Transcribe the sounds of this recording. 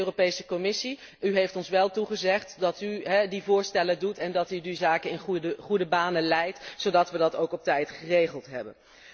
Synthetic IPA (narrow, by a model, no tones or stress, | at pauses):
øːropejsəkɔmɪsi | yɦejftɔnsʋɛlˠtuχəzɛχtdɑtyɦɛdivʊːɹstɛlədutɛndɑtydizaːkəɪnχudəbaːnəlɛjtsodɑtʋədɑtowkɔp̚tɛjtχərejχəlˠtɦɛ̰bə̰n